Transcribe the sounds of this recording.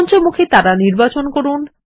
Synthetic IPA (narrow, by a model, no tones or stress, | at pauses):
nt͡ɕeɾmukʰet̪aɾaniɾbat͡ɕonkoɾun